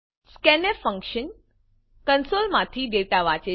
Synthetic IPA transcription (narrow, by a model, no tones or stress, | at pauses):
skɛnefə̃ŋkʃən | kənsolmãt̪ʰid̪eʋt̪aʋat͡ʃe